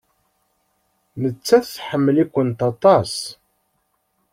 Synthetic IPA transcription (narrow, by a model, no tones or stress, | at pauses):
nət͡sːæθθħəmːəlikʷːənt̪ɑt̪ˤɑs